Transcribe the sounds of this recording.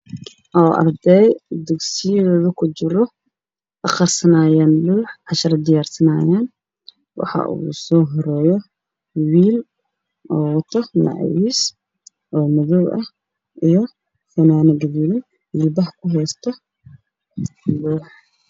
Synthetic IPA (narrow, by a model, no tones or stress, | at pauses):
ʔɔːʔɐ̰rd̪ɛjd̪ɐɡsɪjðɔːðɐkʰʊt͡ʃɪɾɔ | ʔɐχɐrsɐnaːjaːnluːħʕɑʃɐɾɐd̪ɪjaːrsɐnaːjaːn | wɑ̰ħɑ̰ʔṵːsɔːɦɔɾɛːjɔ | wiːl | ʔɔːwt̪ʰɐnɑ̰ʕɛ̰wiːs | ʔɔːmɐðɔwʔɐh | ʔijɔ | fɐnaːnɐɡɐðiːlɪ | ɪbɐħkʰʊɦɛjst̪ʰɔ | luːħ